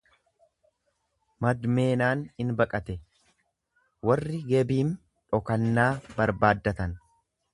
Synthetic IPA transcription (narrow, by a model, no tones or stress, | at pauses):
mɐd̪me̞ːnaːnɪnbɐkʼɐt̪ɛ | wɐrːɪɡɛbiːn | ᶑɔkɐnːaːbɐɾbaːd̪ːɐt̪ɐn